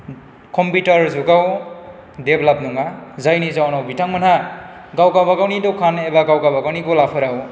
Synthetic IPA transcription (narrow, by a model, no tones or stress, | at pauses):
kɔmpiʈʌɾzuɡaw | deblabnuŋazajnid͡zawnawbitaŋmʌna | ɡawɡawbaɡawnid̪okʰanebaɡawɡawbaɡawnikolapʰʌɾaw